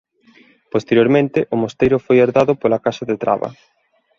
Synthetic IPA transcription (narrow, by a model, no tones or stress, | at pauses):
post̪eɾjoɾmẽnt̪ɪʔʊmost̪ejɾʊfojaɾðaðʊpolɐkasɐðet̪ɾa̰βɐ̰